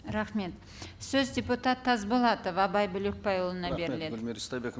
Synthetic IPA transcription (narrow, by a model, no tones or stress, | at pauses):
ɾɑχme̞t̪ | sɵzdʲe̞put̪at̪ʰːɑzbolˠɑt̪ovɑbɑjbʏlek̚pɑjwolˠənɑbe̞ɾɪle̞d̪st̪ɑjbek